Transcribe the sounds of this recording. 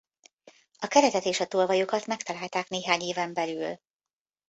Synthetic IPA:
ɒkɛɾɛt̪ɛt̪eːʃɒt̪olvɒjokɒt̪mɛkt̪ɒlaːlt̪aːkneːɦaːɲeːvɛmbɛlyl

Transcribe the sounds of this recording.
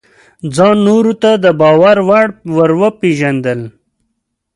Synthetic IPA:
d͡zɑnnːoɾut̪ad̪əbɑːwaɾwaɽwəɾwəpeʒand̪əl

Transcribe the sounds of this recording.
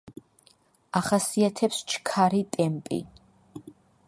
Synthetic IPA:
aχasiat̪ʰɛpst͡ʃʰkʰaɾit̪ʼɛmpʼḭ

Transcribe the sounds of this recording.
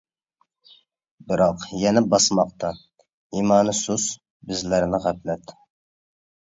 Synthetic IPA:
bɪɾɑqjɛnɛbɑsmɑqt̪ʰɑ | imɑːnɨsus | bɪzlæɾnɪʁæplɛt̪

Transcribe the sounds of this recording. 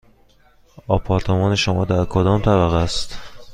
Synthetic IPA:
ɒːpʰɒːɾt̪ʰemɒːne̞ʃomɒːd̪æɾkʰod̪ɒːmt̪ʰæbæɣæst̪

